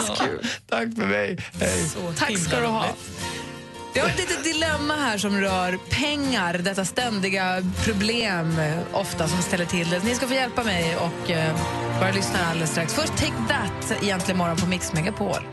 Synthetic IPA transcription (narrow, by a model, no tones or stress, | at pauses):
kʰʉ̰t̪ʰakːfœɖɛjhɛjt̪ʰakskad̪əɦɑ | jɑhaɾɛt̪liːt̪ət̪̚d̪ɪlɛmːaɦæːʂɔmɾœːɾpʰɛŋːaɾd̪ɛt̪ːast̪ɛnd̪ɪɡapʰɾʊbleːmʔɔft̪asɔmst̪ɛlːəʈʰɪld̪ɛsnɪskafoːjɛlpamɛjɔk | bɑːɾjalʏsnaɾald̪ɛst̪ɾaksfœʂʈt̪ʰɛkbæt̪ːɪ̰jɛnt̪lɪənmɔɾɔnpʰɔmɪksmɛŋɡːəpʰɔo̰ɾ